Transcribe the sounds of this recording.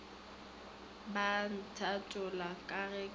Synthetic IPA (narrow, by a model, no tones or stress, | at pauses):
ban̩tʰatʼʊlakʼarɛ